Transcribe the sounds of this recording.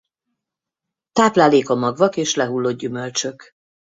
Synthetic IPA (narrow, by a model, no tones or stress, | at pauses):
t̪aːplaːleːkɒmɒɡvɒkeːʃlɛɦulːoːd̪̚ɟymø̞lt͡ʃø̞k